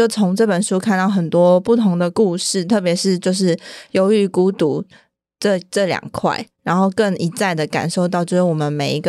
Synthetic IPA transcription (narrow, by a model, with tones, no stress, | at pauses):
jo˥˩ʊt͡sʰo˧˦˥ŋʈ͡ʂɤ˥˩pə˨˩nʂu˥kʰa˥˧nt̪ɑ˥˩ʊɦə˨˩nt̪wɔ˦˥pu˥˩t̪ʰo˧˥ŋd̪ə˧ku˥˧ʂɻ̩˥˩t̪ʰɤ˥˩p̬jɛ˧˥ʂɻ̩˥˧t͡ɕjo˥˧ʊʂ̬ɻ̩˥˩jo˧˥ʊy˧˩ku˧˥t̪u˨˩˦ | ʈ͡ʂə˥˧ʈ͡ʂɤ˥˩ljɑ̰˨˩ŋkʰwa̰˥˩ɪɻa˧˥nxo˥˧ʊkə˥˩ŋi˧˥t͡sa˥˩ɪd̪ə˩ka̰˨˩nʂo˥˧ʊt̪̬ɑ˥˧ʊt͡ɕjʊʂɻ̩˥˩wɔ˨˩mə˦nme˨˩ɪi˧˥ɡə˧